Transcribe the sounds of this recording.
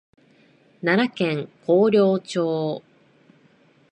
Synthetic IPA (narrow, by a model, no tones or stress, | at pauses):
nanakẽ̞ŋkʰo̞ːɾʲo̞ːt͡ɕo̞ː